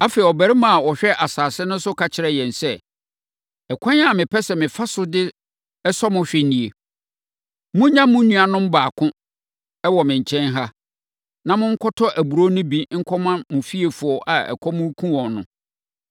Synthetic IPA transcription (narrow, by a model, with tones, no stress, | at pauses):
a˦fe˨i˨ɔ˨bæ˨ɾɪ˦mã˨a˨wɔ˨ɕᶣɛ˦ʔa˨saː˨sɪ˦nʊ̃˦sʊ˦kʰa˨t͡ɕʰɪ˨ɾɛ˦jɛ̃˨n˨sɛ˦˨ | ɛ˨kʷʰã˦ɲ˦a˦˨mɪ̃˨pʰɛ˦sɛ˨mɪ̃˨fa˦sʊ˦dɪ˦ | ɛ˦sɔ˦mʊ̃˦ɕᶣɪ˦nĩ˨e˨ | mʊ̃˦ɲã˦mʊ̃˦nũ˦a˨nʊ̃˦m̩˦baː˨kʰʊ̃˦ | ɛ˦wɔ˨mɪ̃˨ɲ̩˨t͡ɕʰɛ̃˦nɦa˦ | nã˦mʊ̃˦ŋ̩˦kʰɔ˦tʰɔ˦ʔæ˨bu˨ɾo˦nʊ̃˦bĩ˦ŋ̩˦kʰɔ˦mã˦mʊ̃˨fi˦e˨fʊ˨ɔ˨ʔa˨ɛ̰˨kʰɔ˦mũ˦kʰũ˦wɔ̃˨nnʊ̃˨